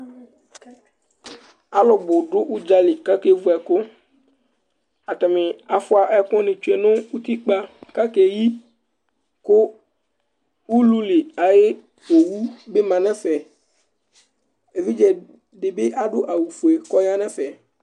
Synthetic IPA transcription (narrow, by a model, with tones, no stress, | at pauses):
a˦lɔ˨bʊ˨ɖʊ˦wu˦d͡ʒa˦lɪ˨ka˦ke˦vu˦ɛ˨kʊ˦ | a˨t̪a˨mẽ˨a˨fʊ˦a˨ʔɛ˦kɔ̃˦nɪ̃˨t͡ʃu˦e˨nʊ̃˦wu˦t̪i˦k͡pa˦ka˦ke˨ji˦ | kʊ˦ | wu˦lu˦lɪ˨a˨je˦ | wo˨wu˦be˦mã˨nɛ̃˦fɛ˨ | e˨vi˦d͡ʒɛ˨ | ɖɪ˨be˦ʔa˦ɖʊ˦ʔa˨wu˨fu˨e˨kɔ˦ja˦nɛ̃˦fɛ˨